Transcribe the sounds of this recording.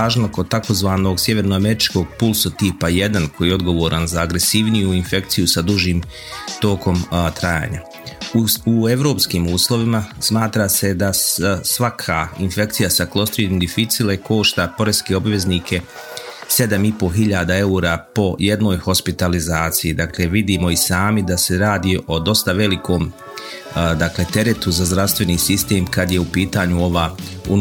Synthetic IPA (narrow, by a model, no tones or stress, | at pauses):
aːʒnoko̞d̪̚t̪ako̞zʋaːno̞ɡsje̞ʋe̞ɾnoame̞ɾit͡ʃko̞ːɡ̚pulˠsot̪ipaje̞d̪ankojɛo̞d̪ɡo̞ʋo̞ːɾʔanzaːɡɾe̞siʋnijuinfe̞k̚t̪sijusad̪uʒiːm | t̪o̞ko̞mt̪ɾaja̰ːɲa̰ | ueʋɾo̞ːpskiːmuːslˠo̞ʋimasmaːt̪ɾase̞d̪asʋakʰainfe̞k̚t̪sijasaklˠo̞st̪ɾid̪imd̪ifit̪sileko̞ːʃt̪apo̞ɾeske̞obʋe̞zniːkʰe̞ | se̞d̪amipo̞ɦiʎaːd̪ae̞uɾapo̞je̞d̪no̞ːjho̞spit̪alizaːt̪sijid̪akle̞ʋid̪iːmo̞isaːmid̪ase̞ɾaːd̪iːʔo̞d̪o̞st̪aʋe̞liko̞ːm | d̪akle̞t̪e̞ɾe̞t̪uzazd̪ɾaʋst̪ʋe̞niːsist̪e̞ːmkad̪je̞upiːt̪aːɲuo̞ʋaṵ